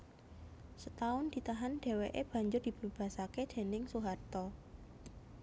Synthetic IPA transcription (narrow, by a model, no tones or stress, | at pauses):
sət̪aʊnd̪̥i̤t̪aɦanɖ̥e̤weʔeb̥ä̤ɲd͡ʒʊrd̥i̤b̥əb̥a̤saked̪̥e̤nɪŋsuɦart̪ɔ